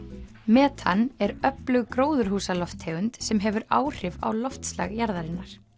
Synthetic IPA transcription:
mɛːt̪ʰanɛɾœplʏɣkɾoːwðʏɾ̥huːsalɔft̪heːʏnt̪sɛmɦɛvʏɾa̰ːwr̥ɪva̰wlɔft̪sla̰ɣjaɾðaɾɪnːaɾ̥

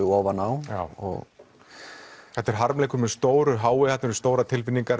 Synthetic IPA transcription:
ʏɔːvanawaːwɔ̰ɣ | hɛt̪ɛɾ̥ɦaɾmleːjkʏmɛðst̪oːwɾʏɦaːwɪhɛt̪nɛɾʏst̪oːwɾat̪ʰɪlfɪnːiŋkaɾ

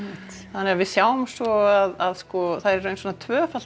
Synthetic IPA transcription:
θanːeːɣavɪðsjaːwʏmsɔaðaðskɔθaðɾɛɾːœːɥnsfɔnat̪ʰvœːfḁ

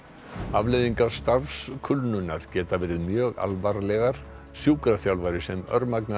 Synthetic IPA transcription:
avlɪðiŋkḁst̪afskʰʏlnʏnːaɾ̥cɛːt̪avɛːɾɪðmjœːɣa̰lvaɾlɛɣaɾ̥ | sjuːkɾaθjawlvajɾɪsɛmœ̰ɾmakna

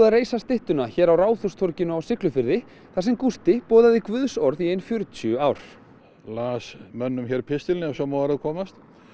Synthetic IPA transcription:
ðareːjsast̪ɪht̪ʏnaçɛːɾawraːwθɔst̪ʰɔɾcɪnʏawsɪklʏfɪɾðɪ | θasɛmkust̪ɪpɔːðaðɪkvʏðsɔɾðiejnfjʏɾʏt̪jʏaːwɾ̥ | laːsmœnːʏmçɛɾpʰɪst̪ɪlnɪɛsɔmɔːaɾaðkʰɔːmast̪

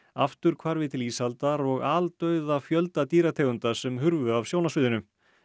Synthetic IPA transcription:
aft̪ʏɾ̥kʰvaɾvɪt̪ʰɪliːshalt̪aɾɔɣaːlt̪œɥðafjœlt̪at̪iːɾat̪ʰeːɣʏnt̪asɛmɦʏɾvʏavsjoːwnasʏːðʏnʏ

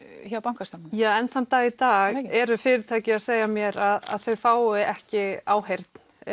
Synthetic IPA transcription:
çapawŋ̥kast̪amjaːɛnθant̪aːɣit̪aːɣɛɾʏfɪːɾɪɾt̪ʰaːjcɪaðseːjɣamjɛɾaða̰ðθœɥfaːwɪɛhcɪaːwɦejɾt̪n̥

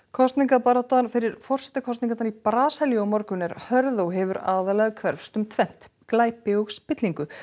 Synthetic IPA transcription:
kʰɔst̪niŋkapaɾat̪anfɪɾɪɾfɔr̥sɛ̥t̪akʰɔst̪iŋkat̪aɾipɾaːsɛljɔwmɔɾkʏnɛɾhœɾðowɦɛvʏɾa̰ːðalɛɣkʰvɛɾfst̪ʏmt̪ʰvɛn̥t̪ | klaːjpɪɔɣspɪt̪liŋkʏ

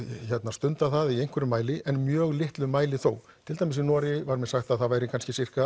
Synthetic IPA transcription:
çɛt̪nast̪ʏnt̪aθaðiejŋ̥kʰvɛɾʏmaːjlɪʔɛnmjœːɣlɪht̪lʏmaːjlɪθo̰ːw | t̪ʰɪlt̪ajmɪsinɔːɾɪvaɾmɛðsaxt̪aðθaðvaːjɾɪkʰanscɪsɪr̥ka

